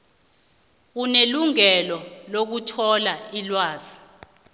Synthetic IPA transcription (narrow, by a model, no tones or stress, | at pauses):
k̬uneluŋɛlɔlok̬utʰɔlailwaːz̥i̥